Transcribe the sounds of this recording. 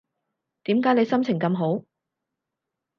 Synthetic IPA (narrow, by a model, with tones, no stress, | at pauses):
t̪iː˨˥mkaː˨˥jnle˨˧jsɐ˥mt͡sʰɪ˨˩ŋkɐ˧mɦo˨˥w